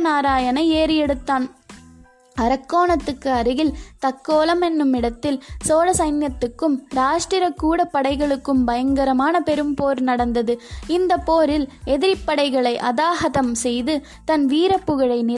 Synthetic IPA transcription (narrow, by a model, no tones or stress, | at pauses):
naːɾaːjɐnɐeːɾjɛɽɯt̪ːaːn | ɐɾɐkːoːɳɐt̪ːɯkːɯɐɾɯɣɪlt̪ɐkːoːlɐmɛnːɯmɪɽɐt̪ːɪlsoːɾɐsɐɪnjɐt̪ːɯkːɯmɾaːʂʈɾɪɾɐkːuːɽɐpːɐɽɐɪɣɐɭɯkːɯmbɐjɐŋɡɐɾɐmaːnɐpɛɾɯmpoːɾnɐɽɐnd̪ɐðɯɪnd̪ɐpːoːɾɪlɛðɪɾɪpːɐɽɐɪɣɐɭɐɪʔɐðaːɦɐðɐmsɛjðɯ | t̪ɐnʋiːɾɐpːɯɣɐɻɐɪnɪ